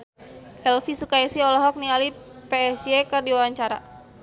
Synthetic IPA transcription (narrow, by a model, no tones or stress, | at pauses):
ʔɛlfisukaisiɔlɔɦɔk̚nialipeɛsɛkɨrdiwawaɲt͡ʃaɾa̰